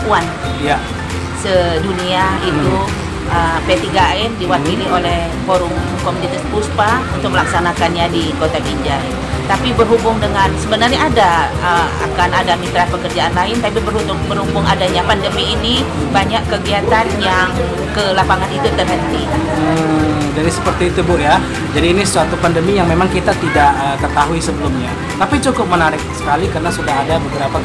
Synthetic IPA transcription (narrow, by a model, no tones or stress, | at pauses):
uan | səduniait̪u | ʔəmpet̪iɡaɛndiwakilɪɦolɛh | foɾʊŋ | komunit̪aspuspaunt̪ʊk̚əlaksanakanɲadikot̪abiɲd͡ʒa | t̪apibərɦubʊŋdəŋansəbənarɲaːdaəa̰kanadamit̪ɾapəkərd͡ʒaanlaɪnt̪apibərhut̪ʊŋbəɾubʊŋadaɲapandəmiːni | baɲaʔkːəɡiat̪anjaŋ | kəlapaŋanit̪ʊt̪ːərɦənt̪i | ə | d͡ʒadisə̥pərt̪iːt̪ubʊja | d͡ʒadiːnisəsuat̪upandəmijaŋmemaŋkit̪at̪idaʔəkət̪aɦuisəbəlumɲa | t̪apit͡ʃukʊp̚mənaɾɪk̚sə̥kalikəɾənasudaɦadabəbəɾapa